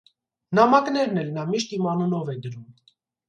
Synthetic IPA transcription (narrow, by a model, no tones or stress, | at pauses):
nɑmɑknɛɾnɛlnɑmiʃt̪imɑnunɔvɛd̪əɾum